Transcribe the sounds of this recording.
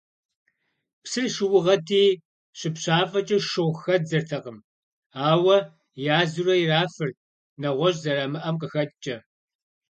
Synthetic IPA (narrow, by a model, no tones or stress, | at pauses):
psɨrʃɪwʊʁɐtʰiː | ɕɪpɕaːfʼɐt͡ʃʼɐʃɨʁʷxɐzɐrtʰɐqəm | aːwɐ | jaːzurɐjiraːfɨr | nɐʁʷɔʑʼzɐrɐmɨʔɐmqəxɐtt͡ʃʼɐ